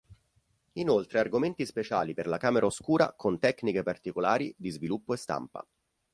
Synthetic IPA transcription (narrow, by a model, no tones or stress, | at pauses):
inolt̪ɾearɡoment̪ispet͡ʃaːliperlakaːmeɾʔaoskuːɾa̰kʰont̪ɛkːnikepart̪ikolaːɾid̪izvilupːoest̪a̰mpa̰